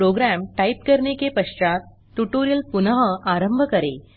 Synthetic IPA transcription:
ɾoɡɾæmʈaip̚kəɾɳekepəʂt͡ɕat̪̚ | ʈːuʈoɾijəlpunəɦəaɾəmbʱəkəɾḛ

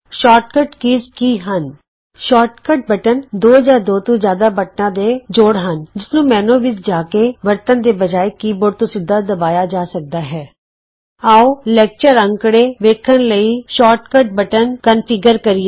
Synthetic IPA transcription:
ʃɔːʈ̚kəʈkiːzkiːɦən | ʃɔːʈkəʈ̚bəʈənd̪oːd͡ʒaːd̪oːt̪õːd͡ʒjaːd̪aːbəʈnãːd̪eːd͡ʒoːɽɦənd͡ʒɪsnũːmɛ̃ːnõːʋɪt͡ʃd͡ʒaːkeːʋəɾt̪ənd̪eːbəd͡ʒaːekiːboɾt̪õːsɪd̪ːaːd̪əbaːjaːd͡ʒaːsək̚d̪aːɦɛː | aːolɛːk̚t͡ʃəɾə̃ŋkɽeːʋeːkʰənləiːʃɔːɾʈkəʈ̚bəʈənkənfʰɪɡəɾkəɾieː

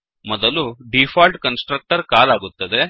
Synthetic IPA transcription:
mɔd̪ɐluɖipʰaːlʈkɐnsʈɾɐk̚ʈɐɾkaːlaːɡut̪ːɐd̪e̞

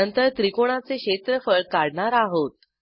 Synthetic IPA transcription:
ənt̪əɾt̪ɾikoɽ̃at͡seɕet̪ɾəfəɭkaɽɳaɾaɦot̪̚

